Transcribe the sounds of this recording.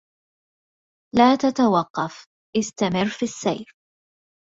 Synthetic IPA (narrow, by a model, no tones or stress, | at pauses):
laːt̪at̪awɑqːɑf | ʔɪst̪amɪrːfisːa̰jf